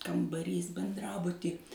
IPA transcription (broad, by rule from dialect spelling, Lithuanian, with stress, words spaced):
kɐmbɐˈrʲiːs bʲɛnˈdrɑːbʊtʲiː